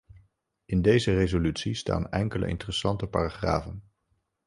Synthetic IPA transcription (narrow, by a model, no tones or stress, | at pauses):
ɪndejzərezolytsista̰ːnɛ̰ŋkələ̰ʔɪ̰ntərəsɑntəpaːraχra̰ːvən